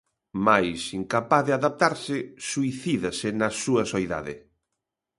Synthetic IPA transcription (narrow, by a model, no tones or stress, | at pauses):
majsiŋkapaθðɪaðap̚t̪aɾsɪsuiθiðɐsɪnɐsuɐsojða̰ðɪ